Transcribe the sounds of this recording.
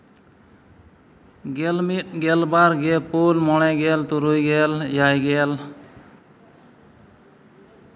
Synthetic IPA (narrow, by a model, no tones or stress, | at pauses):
ɡelmit̚ɡɛlbaɾɡepolmɔɽ̃ɛɡɛlt̪uɾujɡɛljajɡɛl